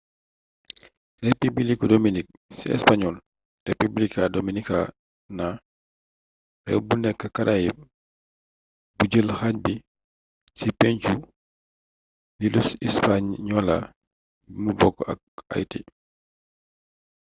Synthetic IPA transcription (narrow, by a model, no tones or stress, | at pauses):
rɛpibilikɔdɔminik̚ | siɛ̰spaɲɔl | republikadominika | na | bɛ̰wbunɛkːəkɐɾʔaji | buɟəlxac̚bi | sipɛɲt͡ʃu | lilusispaɲɲɔla̰ | bmubɔkːɐ̰k̚a̰jtḭ